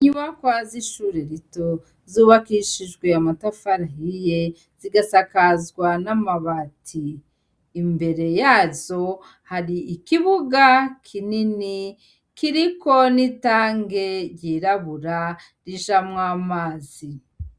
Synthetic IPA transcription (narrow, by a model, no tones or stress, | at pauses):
ɲumakwaziʃuːɾeɾito̞ | zuːβakiʃiʒɡwe̞amatafaɾaɦije | z̥iɡasakazɡwanamaβatʰiː | mbe̞ɾe̞jaːzo̞ | haɾiːkiβuɡakʰinini | kiɾiko̞nitaːŋɡe̞ɾjiːɾaβuɾa | ɾiʒamŋaːmaːzi